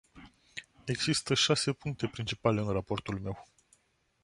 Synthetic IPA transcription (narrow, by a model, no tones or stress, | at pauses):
e̞ɡz̥ist̪əʃase̞puŋk̚t̪e̞pɾint͡ʃipale̞ɨnrapo̞rt̪ulme̞w